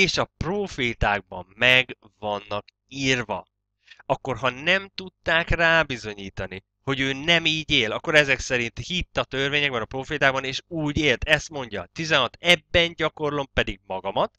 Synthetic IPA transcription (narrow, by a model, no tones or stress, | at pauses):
eːʃɒproːfeːt̪aːɡ̚bɒ̰mmɛɡ | vɒnːɒk | iːrvɒ̰ | ɒkːo̞rɦɒnɛmt̪ut̪ːaːkraːbizo̞ɲiːt̪ɒni | ho̞ɟøːnɛmiːɟeːlɒkːo̞ɾɛzɛksɛɾint̪hit̪ːɒt̪ørveːɲɛɡ̚bɛnɒproːfeːt̪aːɡbɒneːʃuːɟeːlt̪ɛst̪mo̞ɲɟɒ̰t̪izɛnɦɒt̪ɛbːɛnɟɒko̞rlo̞mpɛd̪iɡ̚mɒɡɒmɒt̪